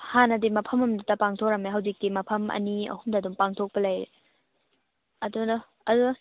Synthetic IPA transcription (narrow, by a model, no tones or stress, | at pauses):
hanɐdimɐpʰɐmɐmdutɐpaŋtʰok̚ɾɐmeɦɐwzik̚timɐpʰɐmɐ̰niɐ̰humdɐːdumpaŋtʰok̚pɐlɐjɾe | ɐdunɐ | ɐdu